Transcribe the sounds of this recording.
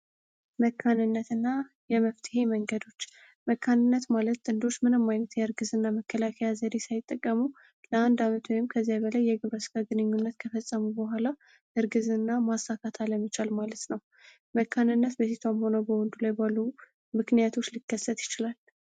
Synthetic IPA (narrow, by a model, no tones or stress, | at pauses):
məkʰːanɨnːət̪ɨnːa | jɛməft̪ʰɨ̥he̞məŋɡəd̪o̞t͡ʃː | məkʰːanɨnːət̪malət̪ːʼɨnd̪o̞t͡ʃːmɨnɨmːajnət̪jɛɨɾɡɨzɨnːaməkʰːəlakʰəjazəd̪esajɪt̪ʼːəkʼːəmu | ləand̪amət̪ʰwojɪmkʰəzːabəlajːɛɡɨβɾəsɨ̥kʰʼaɡɨnɨɲːunːət̪kʰəfəsʼːəmubəɦʷala | ʔɨɾɡɨzɨnːamasːakʰat̪ʰaləmːət͡ʃalmalət̪nəw | məkʰːanɨnːət̪bəsit̪ʰamho̞nəwbəwɔnd̪ulajbalːu | mɨknijat̪ʰo̞t͡ʃːlikːəsːət̪jɪt͡ʃɪlal